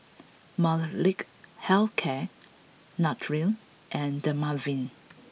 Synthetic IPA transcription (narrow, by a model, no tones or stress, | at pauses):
mallik | hɛlkʰɛ | natʰɹil | ʔɛ̃ndəmavĩn